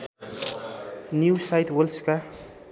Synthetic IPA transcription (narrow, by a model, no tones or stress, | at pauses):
njusajt̪wʌlska